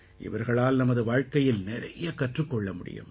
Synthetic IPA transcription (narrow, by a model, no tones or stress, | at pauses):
ʔɪ̰ʋɐɾɣɐɭaːlnɐmɐðɯʋaːɻkɐjɪlnɪɾɐ̰jɐkɐʈrɯkːɔɭːɐmʊɽɪ̰jɯ̰m